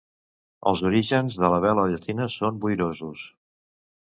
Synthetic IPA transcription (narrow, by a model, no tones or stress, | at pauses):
ə̰lˠzuɾiʒənzðələβɛləʎət̪ʰinəsombujɾozus